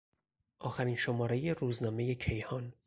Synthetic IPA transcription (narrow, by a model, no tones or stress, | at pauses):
ʔɒːxæɾiːnʃo̞mɒːɾejeruːznɒːme̞je̞cʰe̞jhɒːn